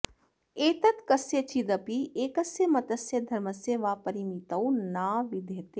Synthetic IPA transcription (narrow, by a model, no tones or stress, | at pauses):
eːt̪ɐt̪kɐset͡ʃid̪ɐpieːkɐsjemɐt̪ɐsjed̪ʱɐɾmɐseʋaːpɐɾimit̪ɐwnaːʋid̪ʱeːt̪e